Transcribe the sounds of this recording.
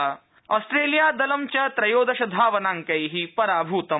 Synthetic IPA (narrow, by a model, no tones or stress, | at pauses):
ɔːsʈɾeːlijaːd̪ɐlɐmt͡ɕɐt̪ɾɐjoːd̪ɐʃɐd̪ʱaːʋɐnaːŋkɐjɦipɐɾaːbʱuːt̪ɐ